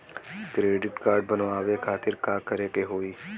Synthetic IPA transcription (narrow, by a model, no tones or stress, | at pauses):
kɾeːɖɪʈkaːɾɖ̚bənʋaːʋekʰaːt̪ɪɾkaːkəɾeːkeɦoːiː